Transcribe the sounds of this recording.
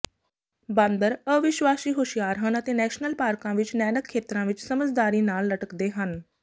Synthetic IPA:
bãnd̪əɾəʋɪʃwaːsiːɦoʃijaːɾɦənət̪eːnɛːʃnəlpaːɾkãːʋɪt͡ʃnɛːnəkʰːeːt̪ɾãːʋɪt͡ʃsəməd͡ʒd̪aːɾiːnaːlːəʈəkd̪eːɦən

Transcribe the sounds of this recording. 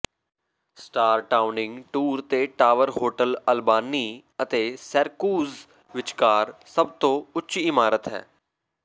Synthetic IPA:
sʈaːɾʈaːʊnɪ̃ŋɡʈuːɾt̪eːʈaːʋəɾɦoːʈələlbaːni | ət̪eːsəɾkuːz | ʋɪt͡ʃkaːɾsəb̚t̪õʊtːʃiɪmaːɾət̪ɦɛ̰ː

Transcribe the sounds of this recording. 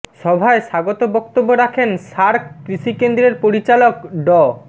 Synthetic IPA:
ʃɔbʱaeʃaɡot̪obɔkt̪obːoɾakʰenʃaɾkkɾiʃikend̪ɾeɾpoɾit͡ɕalokɖɔ

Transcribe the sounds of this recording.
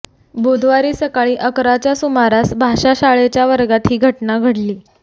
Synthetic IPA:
bud̪ʱʋaɾiːsəkaɭiːʔəkɾat͡ɕjasumaɾasbʱaɕaɕaɭet͡ɕjaʋəɾɡat̪ɦiːɡʱəʈnaɡʱəɽliː

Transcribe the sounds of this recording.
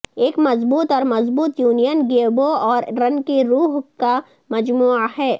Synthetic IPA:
eːkmɐzbuːt̪ɔːɾmɐzbuːt̪juːnijənɡeːboɔːɾɾɐnkeɾuːɦka | mɐd͡ʒmuːaɦɛː

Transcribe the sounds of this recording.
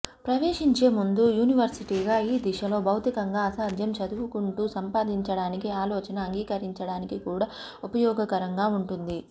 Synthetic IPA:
pɾɐʋe̞ːʂiɲt͡ʃe̞ːmund̪ujuːniʋɐɾsiʈiːɡaːiːd̪iʂɐlo̞ːbɐwt̪ikɐŋɡaːɐsaːd͡ʒ̪jɐmt͡ʃɐd̪uʋukuɳʈuːsɐmpaːd̪iɲt͡ʃɐɽaːnikiaːlɔːt͡ʃɐnɐːŋɡiːkɐɾiɲt͡ʃɐɽaːnikikuːɽaː | upɐjɔːɡɐkɐɾɐŋɡaːuɳʈund̪i

